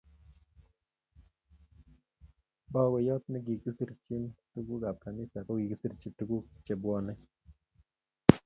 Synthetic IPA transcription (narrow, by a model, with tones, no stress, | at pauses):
bɔ˦wɛ˨jɔ˦t̪̚nɛ˦ɡi˨ɡi˦si˦ɾt͡ʃi˦ntu˦ɡu˦ɡa˨p̚ka˨nɪ˦sa˨kɔ˦ɡi˨ki˦si˦ɾt͡ʃi˨tu˦ɡu˦t͡ʃɛ˨bwɔ˦nɛ˦